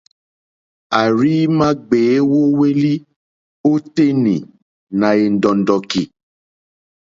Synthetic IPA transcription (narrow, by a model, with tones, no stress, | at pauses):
a˨ɾi˦mã˦ɡ͡beː˨˦wo˦we˦li˦ | o˦te˦nĩ˨ | nã˨e˨n̩˨dɔ̃˨n̩˨dɔ˨ki˨